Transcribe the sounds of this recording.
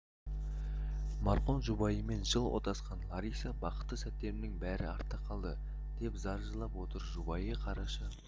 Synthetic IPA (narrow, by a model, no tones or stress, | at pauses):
mɑɾqo̞nʒubɑjəme̞nʒəlˠwo̰t̪ɑsqɑnlˠɑɾisɑbɑqə̥t̪ːəsæt̪ːe̞mɪnɪŋbæɾɪɑɾt̪ːəqʰɑlˠd̪ə | d̪̥e̞pzɑɾʒəlˠɑpwo̞t̪əɾʒubɑjəqʰɑɾɑʃə